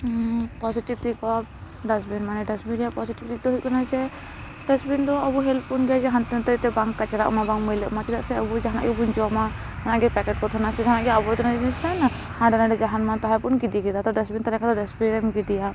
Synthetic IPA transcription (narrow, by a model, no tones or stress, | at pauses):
pɔsiʈib̚t̪ikɔ | ɖasbinmanɛɖɛsbiɾijapɔsiʈib̚t̪ik̚t̪ɔɦuʔkɔnad͡ʒɛ | ɖɛsbind̪ɔəbuɦɛlpunɡɛad͡ʒɛɦant̪nt̪ɛɾt̪ɛbaŋkːat͡ʃaɾa̰ʔmabaŋmilɛʔmat͡ʃid̪aʔsɛəbud͡ʒaɦana̰ʔɡɛbund͡ʒɔma | hanaʔɡɛpɛkɛʈ̚kɔt̪ʰɔnasɛd͡ʒaɦanaʔɡɛabɔt̪ɔnad͡ʒɛɛsana | hãɖɛnaɖɔd͡ʒaɦanmat̪aɦapunkid̪iɡid̪at̪ɔɖasbint̪aɾɛkad̪ɔɖɛsbiɾɛmɡid̪ija